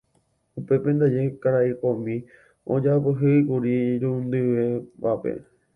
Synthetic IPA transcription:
upe̞pẽ̞nd̪ad͡ʒekaɾaikõmĩ | õd͡ʒapɨɦɨikuɾiɾũnd̪ɨʋepapḛ

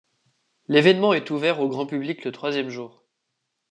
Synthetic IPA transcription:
levɛnmɑ̃ɛt̪uvɛʁoɡʁɑ̃pybliklət̪χwazjɛmʒuːʁ

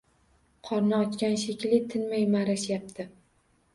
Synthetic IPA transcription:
qʰɒɾnɪɒt͡ʃkʲanʃ̬ekʲlɪt̪ʰɪnmajmaɾaʃjap̚t̪ʰɪ

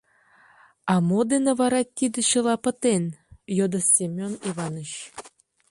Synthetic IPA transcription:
ɑmod̪enĕβɑɾɑt̪ʲːid̪ɘ̆ɕɤ̆lˠɑpə̆t̪enjod̪ɤ̆sʲemʲoniβɑnə̆ɕ

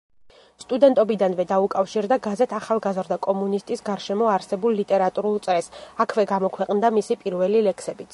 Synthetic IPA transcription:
st̪ʼud̪ɛnt̪ʼɔbid̪anvɛd̪aukʼafʃiɾd̪aɡazɛt̪ʰaχalˠɡazɾd̪akʼɔmunist̪ʼisɡaɾʃɛmɔaɾsɛbulˠːit̪ʼɛɾat̪ʼuɾulˠt̪sʼɾɛsakʰvɛɡamɔkʰwɛqʼnd̪amisipʼiɾvɛlilɛkʰsɛbit̪sʰ

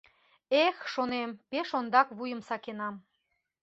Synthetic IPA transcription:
exʃonempeʃond̪ɑkβujəmsɑkenɑm

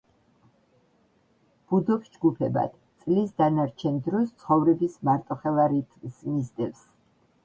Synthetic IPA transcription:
b̥ud̪ɔpsd͡ʒɡupʰɛba̰d̪̥ | t̪sʼlisd̪anaɾt͡ʃʰɛnd̪ɾɔst̪sʰχɔvɾɛbismaɾt̪ʼɔχɛlaɾit̪ʰzmizd̪ɛfs

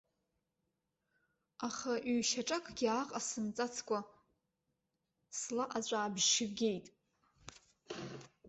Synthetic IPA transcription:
aχaʔɥːʃaʈ͡ʂʼakʰʼɡʲiaqʼasɨmt͡sʼat͡sʰkʷʼa | slaʔat͡ɕʷʼaːbʒʃɪbɡʲe̞jtʼ

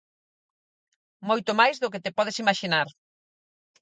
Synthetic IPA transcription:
mojt̪ʊmajzðʊket̪epɔð̞esimaʃinaɾ

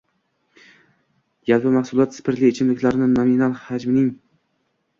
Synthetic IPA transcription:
jalˠpɪmahsʊlˠɒt̪spʰɪɾlɪet͡ʃʰɪmlɪkʲlaɾnɪnominalˠhad͡ʒmɪnɪŋ

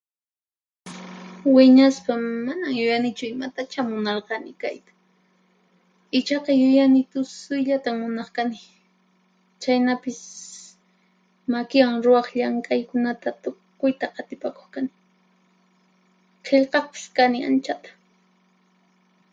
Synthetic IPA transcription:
wɪɲaspamanaŋjʊjanɪt͡ʃʊɪmat̪at͡ʃamʊnɑɾqɑnɪkajt̪ḁ | ɪt͡ʃɑqɑjʊjanɪt̪ʊsʊjʎat̪aŋmʊnɑχkanɪ | t͡ʃajnapɪs | makɪwaŋɾʊwɑχʎaŋkʼajkʊnat̪at̪ʊkʊjt̪aʔɑt̪ɪpako̥χkanɪ | qʰeʎqɑχpɪ̥skanɪa̰nt͡ʃat̪ḁ

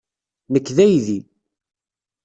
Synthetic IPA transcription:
məkːðæjði

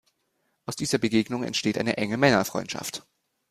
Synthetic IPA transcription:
ʔaʊsd̥iːzɐbəɡeːɡnʊŋɛ̰ntʃteːtʔa̰ɪnəʔɛŋəmɛnɐfʁ̥ɔ̰ʏntʃa̰ft

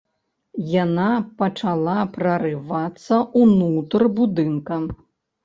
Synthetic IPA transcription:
janapɐt͡ʂalˠapɾɐɾɨvat̪sːɐʔunut̪rbud̪ɨnkɐ

